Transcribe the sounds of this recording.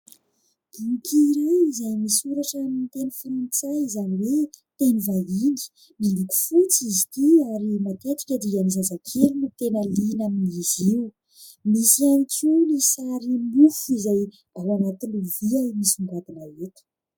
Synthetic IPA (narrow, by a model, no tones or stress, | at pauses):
iŋikiɾajizajmisuɾaʈ͡ʂːmint̪enəfuɾunt͡saizaniwet̪enivalini̥ | niluku̥fut͡sizi̥t̪iaɾimat̪et̪i̥kʲəd̪ianizazakʰelunut̪enəlinamiiziw | misianikʲunisaɾimufizaj | alanat̪iluviamisiŋɡad̪inaet̪ə̥